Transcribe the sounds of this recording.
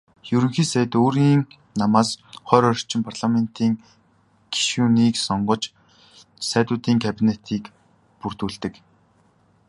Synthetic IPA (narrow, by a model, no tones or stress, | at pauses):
jɵɾɵ̆ŋxiːsæj̆t̪oːɾiːŋ | namaːsχœːɾɔr̥t͡ɕɪ̆mpʰarɮamen̥t̪iːŋ | ɡ̥i̥ʃuːniːksɔɴɢɞ̆t͡ɕ | sæːt̪ʊːt̪iːŋkʰæpʲinet̪ʰiːk | pur̥t̪uːɮt̪ɘ̆k